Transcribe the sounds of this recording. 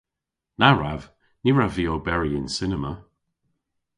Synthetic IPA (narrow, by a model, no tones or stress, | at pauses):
naɹav | niɹaviobɛɹiɪnsɪnəmə